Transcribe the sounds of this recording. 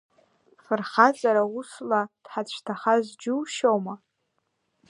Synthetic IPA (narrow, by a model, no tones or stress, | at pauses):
fɨrχazʼaɾawuslad̥ħat͡ɕʷʰtʰaχazd͡ʒuwʃowma